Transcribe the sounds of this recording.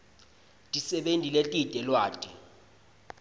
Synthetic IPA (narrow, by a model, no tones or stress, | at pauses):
tʼisɛɓentʼiletʼitʼɛlwaːtʼi